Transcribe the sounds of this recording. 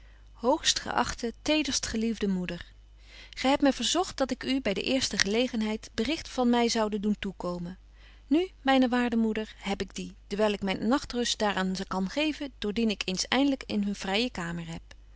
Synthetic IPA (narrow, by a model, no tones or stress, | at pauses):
howχstχə̰ʔɑ̰χtətejdəɹstχəlivdəmudəɹ | χɛjɦɛp̚tmɛjvəɹzɔχt̚dɑtɪkybɛjdə̰ʔɪːɹstəχəlejχənɦɛjtbərɪχtfɑnmɛjzɑwdənduntukowmən | nymɛjnəʋaːɹdəmudəɹɦɛpɪɡdid̥əɹʋɛjlˠɪkmɛjnnɑχtrɵstd̥aːɹaːnkɑnχejvəd̥ʊːɹdinɪkejnsɛ̰jndələkɪ̰nɦɵnv̥rɛjəkaːməɹɦɛp̚